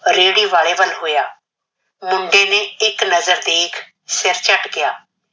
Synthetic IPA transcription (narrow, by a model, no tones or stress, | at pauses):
ɾeːɽiːʋaːɭeːʋəlɦoːjaː | mʊ̃ɳɖẽːneːɪknəzəɾd̪eːkʰ | sɪɾt͡ʃəʈɡɪjaː